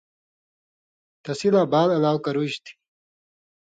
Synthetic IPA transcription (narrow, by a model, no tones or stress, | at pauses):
t̪ɐsilaːbaːlɐlaːwkɐɾuɕt̪ʰi̥